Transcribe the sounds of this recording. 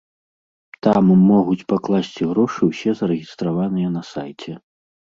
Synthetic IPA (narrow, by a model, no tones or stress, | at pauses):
t̪amːɔɣut͡sʲpaklˠasʲt͡sʲiɣɾɔʂɨwsʲɛzɐɾɛɣʲist̪ɾavanɨjɐnɐsajt͡sʲɛ